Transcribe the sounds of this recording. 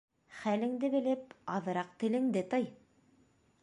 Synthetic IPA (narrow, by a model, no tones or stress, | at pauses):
χælɘ̆ŋd̪ɘbɘ̆lɘp̚ɑðɤ̆ɾɑq̚t̪ɘ̆lɘ̆ŋd̪ɘt̪ɤj